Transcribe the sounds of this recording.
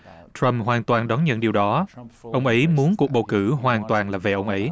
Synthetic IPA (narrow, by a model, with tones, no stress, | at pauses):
tɹə˧mɦwaː˨˩nt̪waː˨˩nɗɔ˨˦nɲə̰˧˥nɗi˨˩əwɗɔ˨˦ʔə˧wŋ͡mʔə˨˦jmu˨˦ənku˨˩k̚ɓə˨˩wkɨ˧˩ɦwaː˨˩nt̪waː˨˩nlaː˨˩ve˨˩ʔə˧wŋ͡mʔə˨˦j